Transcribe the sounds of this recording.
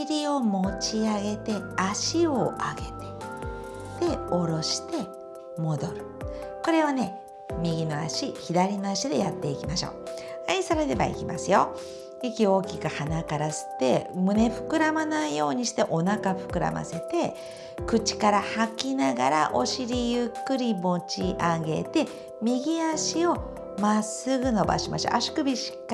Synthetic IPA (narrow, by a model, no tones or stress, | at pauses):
iɾʲio̞mo̞t͡ɕiaɡe̞t̪e̞aɕio̞ʔaɡe̞t̪e̞̥ | d̪̥e̞o̞ɾo̞ɕi̥t̪e̞ | mo̞d̪o̞ɾɯ̟ | ko̞ɾe̞βane̞ | mʲiɡʲino̞aɕiçid̪aɾʲino̞aɕid̪e̞jat̪ːe̞ikʲimaɕo̞̰ː | aisaɾeɾe̞ba̰ḭkʲimasɨjo̞ | ikʲio̞ːkʲikɯhanakaɾasɨ̥t̪ːe̞mɯ̟ne̞ɸɯ̟̥kɯ̟ɾamanaijo̞ːɲ̟iɕi̥t̪e̞ʔo̞nakaɸɯ̟̥kɯ̟ɾa̰ma̰se̞t̪e̞ | kɯ̟t͡ɕi̥kaɾahakʲinaɡaɾa̰ʔo̞̰ɕiɾʲijɯkːɯ̟ɾʲimo̞t͡ɕiʔaɡe̞̰t̪e̞ | mʲiɡʲiaɕio̞ | masɨɡɯ̟no̞ba̰ɕimaɕo̰ʔaɕi̥kɯ̟bʲiɕi̥k